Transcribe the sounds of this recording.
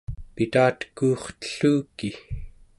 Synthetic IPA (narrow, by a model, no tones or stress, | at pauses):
pit̪aːt̪ə̥kuːχt̪ə̥ɬuːki